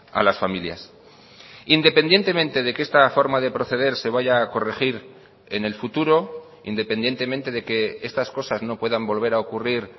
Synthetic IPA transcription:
a̰lasfamilja̰s | ind̪e̞pe̞nd̪je̞nt̪e̞mẽnt̪e̞ðe̞ke̞st̪afo̞ɾmaðe̞pɾo̞θe̞ð̞e̞ɾse̞βaʝaːko̞re̞xiɾ | e̞ne̞lfut̪uɾo̞ | ḭnd̪e̞pe̞nd̪je̞nt̪e̞mẽnt̪e̞ðe̞ke̞e̞st̪asko̞sazno̞pwe̞ðambo̞lβe̞ɾao̞kuriɾ

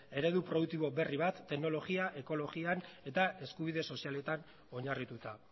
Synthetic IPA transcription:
e̞ɾe̞ðupɾo̞ðukt̪iβo̞be̞riβ̞at̪ːe̞kno̞lo̞ɣiaʔe̞ko̞lo̞ɣiane̞t̪ae̞skuβ̞iðe̞so̞siale̞t̪an | o̞ɲarit̪ut̪a

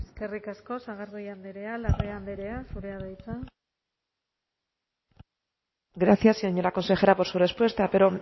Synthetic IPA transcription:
eske̞rikasko̞saɣaɾðejand̪eɾe̞alareand̪eɾe̞asuɾeaðajt͡sa | ɡɾaθjasioɲolakonse̞xe̞ɾapo̞ɾsure̞spwe̞st̪ape̞ɾo̞

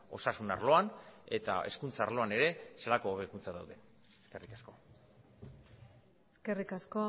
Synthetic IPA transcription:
o̞sasuna̰ɾlo̞ane̞̰t̪a̰e̞̰skunt͡saːɾlo̞ane̞ɾe̞selakoːβekunt͡saðawðe̞ | eskerikasko̞ | eske̞rikasko

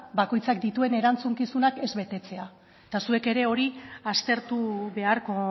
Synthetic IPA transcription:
bako̞jt͡sak̚d̪it̪ue̞ne̞ɾant͡suŋkisunake̞zβe̞t̪e̞t͡se̞a | et̪asue̞ke̞ɾe̞o̞ɾiast̪e̞ɾt̪uβe̞aɾko̞

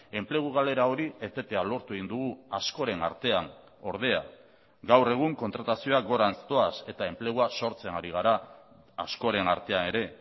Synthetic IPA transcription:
e̞mple̞ɣ̞uɣ̞ale̞ɾaoɾie̞t̪e̞t̪e̞alo̞ɾt̪ue̞ɣind̪uɣuasko̞ɾe̞na̰ɾt̪e̞an | o̞ɾð̞e̞a̰ | ɡawre̞ɣ̞uŋko̞nt̪ɾat̪asio̞aɡo̞ɾanst̪o̞ase̞t̪ae̞mple̞ɣ̞uaso̞ɾt͡senaɾiɣ̞aɾaː | sko̞ɾe̞naɾt̪e̞ane̞ɾe̞

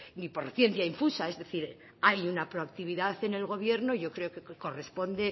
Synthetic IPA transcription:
nipoɾθje̞nθjaiɱfusae̞zðe̞θiɾ | ajunapɾoak̚t̪iβ̞iðaθe̞ne̞lɣo̞β̞je̞ɾno̞ʝo̞kɾe̞okeko̞re̞spo̞nd̪e

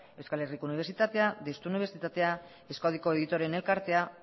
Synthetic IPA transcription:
ewskale̞rikouniβ̞eɾsit̪at̪ead̪est̪uniβe̞ɾsit̪at̪e̞a | eskowðiko̞e̞ðit̪o̞ɾe̞ne̞lkaɾt̪e̞a

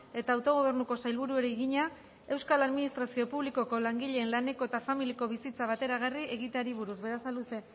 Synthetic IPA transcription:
e̞t̪aːwt̪o̞ɣ̞o̞β̞e̞ɾnuko̞sajlβ̞uɾuoɾeɣiɲa | e̞wskalaðminist̪ɾasio̞puβliko̞ko̞laŋɡiʎe̞ːnlane̞ko̞et̪afamiliko̞βisit͡saβ̞at̪e̞ɾaɣ̞arie̞ɣit̪aɾiβuɾuzβe̞ɾasaluse̞

